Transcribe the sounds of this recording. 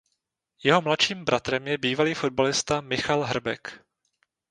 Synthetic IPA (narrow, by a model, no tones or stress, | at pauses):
jɛɦo̞mlat̪ʃiːmbɾʔat̪ɾɛmjɛbiːvaliːfo̞d̪̚balɪst̪amɪxalɦr̩bɛ̰k